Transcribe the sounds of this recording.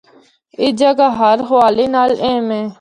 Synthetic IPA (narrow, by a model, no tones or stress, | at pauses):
ɪd͡ʒəɡaːɦəɾɦəʋaːliːnaːlẽːmẽː